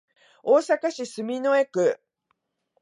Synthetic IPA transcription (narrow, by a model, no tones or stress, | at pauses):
oːsakaɕisɨmʲino̞e̞kɯ̟